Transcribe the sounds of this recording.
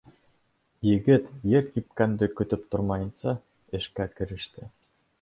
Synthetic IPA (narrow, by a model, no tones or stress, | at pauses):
jɘ̆ɡɘ̆t̪jĕrkʲip̚kænd̪ɘ̆kø̆t̪ɘ̆p̚t̪ŏrmɑjɤ̆nsɑ | ĕʃkækɘ̆ɾɘ̆ʃt̪ɘ̆